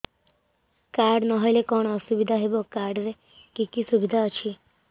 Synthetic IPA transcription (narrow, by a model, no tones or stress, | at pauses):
kaɾɖnʌɦɔjlekɔɳ̃ɔsubid̪ʱaɦebokaɾɖɾe | kikisubid̪ʱaət͡ʃʰi